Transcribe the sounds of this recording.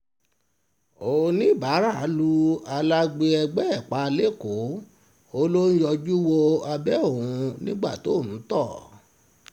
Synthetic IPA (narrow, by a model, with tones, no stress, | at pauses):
o˨˧nĩ˦˨ba˨˦ɾa˦˨˦lu˧a˧la˦ɡ͡be˧ɛ˧ɡ͡bɛ˦ɛ˦˨k͡pa˧˦˧le˦ko˨˦ | o˦lo˦n̩˦jɔ˧d͡ʒu˦wo˧a˧bɛ˦o˦˨ũ˧nĩ˦ɡ͡ba̰˦˨to˨˦˨nũ˨˦tɔ˦˨